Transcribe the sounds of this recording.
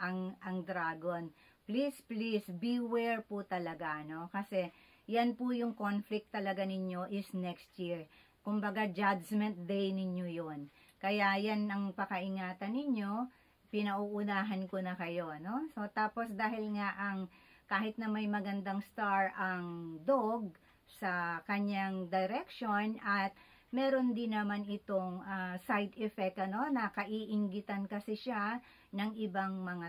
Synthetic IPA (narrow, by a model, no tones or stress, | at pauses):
ʔɐŋʔɐŋd̪ɾaːɡon | plisplisbiwɛɹpʊt̪ɐlɐɡano̞kɐsɛ | jɐnpʊjʊŋko̞nflɪk̚t̪ːɐlɐɡanɪɲjo̞ʔɪsnɛkst̪jiɹ | kʊmbɐɡad͡ʒad͡ʒmɛnt̪̚d̪ɛjnɪɲjo̞jon | kɐjajanɐŋpɐkɐʔɪŋaːt̪ɐnːɪɲjo̞ | pɪnɐʔuːʔʊnaːɦɐnkonɐkɐjo̞no̞so̞t̪aːpo̞sd̪aːɦɪlŋaʔɐŋkaːhɪt̪̚nɐmɐjmɐɡɐnd̪aŋst̪aɹɐŋd̪oɡ̚ | sɐkɐɲːaŋd̪ɛɾɛkʃo̞nʔɐt̪̚ | mɛːɾo̞nd̪ɪnɐmanɪt̪o̞ŋasajd̪ɛfɛk̚t̪ɐno̞nɐkɐʔiːʔɪŋɡɪt̪ɐnkɐsɛʃa | nɐŋɪbaŋmɐŋa